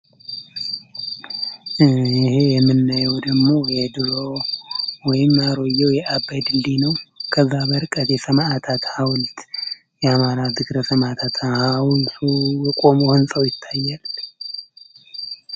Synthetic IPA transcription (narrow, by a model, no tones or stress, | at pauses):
ihejɛmːɨnːajɛwd̪əɡmo̞jɛd̪ɨɾo̞ | wɔjɪmːaɾo̞jːɛwjɛʔabajd̪ɨnd̪inəwkʰəzːabəɾkʼət̪jɛsəmaʔat̪ʰat̪hawlt̪ | jɛamaɾazɨɡɾəsəmat̪ʰat̪ʰhawlt̪ʰujɛkʼo̞mohɨnsʼəwjɪt̪ʰːajːal